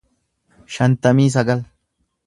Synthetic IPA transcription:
ʃɐnt̪ɐmiːs̬ɐɡɐl

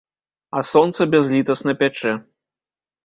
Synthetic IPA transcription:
ɐsɔnt̪sɐbʲazlʲit̪ɐsnɐpʲat͡ʂɛ

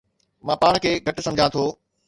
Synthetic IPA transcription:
mãːpaːɽ̃̆kʰeːɡʱɐʈ̆sɐ̃md͡ʑʱãt̪ʰoː

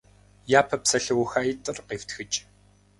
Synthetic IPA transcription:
jaːpʰɐpsɐɬɐwxaːjitʼɨrqeːftʰxɨt͡ʃʼ

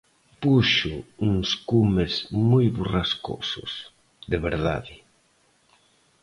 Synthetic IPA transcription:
puʃʊuŋskumezmojβurasko̰sʊ̰s | ðeβeɾða̰ðɪ

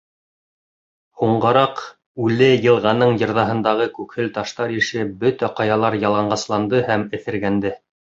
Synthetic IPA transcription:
huɴɢɤ̆ɾɑq | ʉlɘjɤ̆lˠʁɑnɤɴjɤ̆ɾðɑɦɤ̆nd̪ɑʁɤkʉkhɘlt̪ɑʃt̪ɑɾiʃɘbɵt̪æqɑjɑlˠɑɾjɑlˠɑɴɢɑslˠɑnd̪ɤhæmɘ̆θɘ̆ɾɡænd̪ɘ

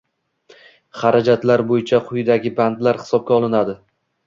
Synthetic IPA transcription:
χaɾad͡ʒat̪laɾbojɪt͡ʃʰaqʰʊjd̪aɡʲɪbant̪laɾhɪ̥sɒb̚ɡʲaɒlˠɪnad̪ɪ

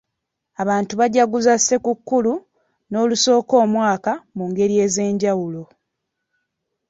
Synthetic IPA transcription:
aβaːntuβaɟaɡuzasːe̞kukːulu | no̞ːluso̞ːko̞ːmwaːkamuŋɡe̞ɾie̞ːze̞ːɲɟawulo̞

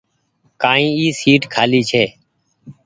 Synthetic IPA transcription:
kãːĩːiːsiːʈkʰaːliːt͡ʃʰɛː

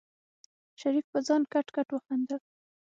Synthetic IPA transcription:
ʃaɾik̚pəd͡zɑnkaʈkaʈwəxand̪a

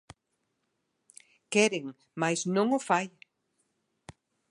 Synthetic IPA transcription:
kɛɾɪŋ | majsnõŋofaj

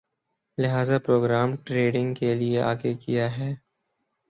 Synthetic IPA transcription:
lɪɦaːzapɾoːɡɾaːmʈɾeːɖɪ̃ŋɡkelieʔa̰ːkekijaɦɛː

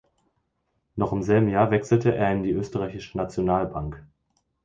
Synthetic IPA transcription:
nɔχɪmzɛlbm̩jaːɐvɛksl̩təʔḛːɐɪndiːʔøːstəʁaɪçɪʃənat͡sjonaːlbaŋk

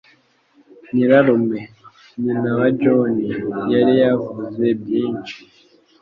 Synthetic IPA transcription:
niɾaɾome | ninawaɟonijaɾijavuzebjiːɲt͡ʃi̥

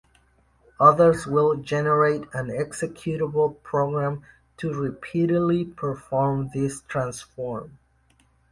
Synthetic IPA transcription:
ʌðə˞zwɪlˠd͡ʒɛnə˞eɪɾæ̃nɛksɨkʰjuɾəbl̩ˠpʰɹ̥oɡɹæ̃m | tʰɨɹɪpʰiɾɨdˡlipʰə˞fɔɹmðɪstʰɹ̥æ̃nsfɔɹm

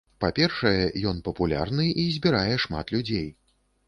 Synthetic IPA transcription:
papʲɛrʂɐjɛjɔn̪pɐpulʲa̰rnɨizʲbʲiɾajɛʂma̰t̪lʲud͡zʲej

